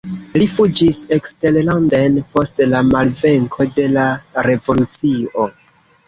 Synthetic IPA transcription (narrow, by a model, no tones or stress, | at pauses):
lifud͡ʒisekste̞llandenpo̞stlamalve̞ŋkʰo̞de̞laɾe̞vo̞lut͡sio